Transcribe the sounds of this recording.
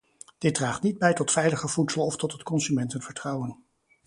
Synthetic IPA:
d̥ɪd̚draːχtnid̚bɛjtɔtfɛjləχəv̥utsəlˠɔftɔtɦətkɔnsymɛntənvəɹtrɑwən

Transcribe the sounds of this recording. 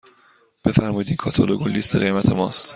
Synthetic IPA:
b̥e̞fæɾmɒjd̪iːkʰɒːt̪ʰoloɡolːiːst̪ʰeɣe̞jmæt̪ʰe̞mɒːst̪

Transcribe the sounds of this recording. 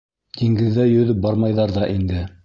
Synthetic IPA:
d̪iŋɡɘ̆ðːæjɵ̆ðɵp̚bɑɾmɑjðɑɾðɑʔind̪ɘ

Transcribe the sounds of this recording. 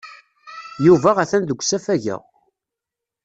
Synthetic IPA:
juvæʁæθænd̪əɡʷːsæfæʝæ̰ʁ

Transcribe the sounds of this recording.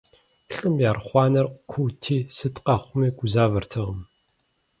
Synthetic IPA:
ɬʼɨmjaːrχʷɑːnɐrqkʷʰutʰiːsɨtʰʼqɑχʷʊmiːɡʷʊzaːvɐrtʰɐʁəm

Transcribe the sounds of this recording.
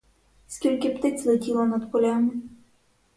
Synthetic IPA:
skʲilʲkɪpt̪ɪt͡sʲlˠetʲilˠɔnɐd̪pɔlʲamɪ

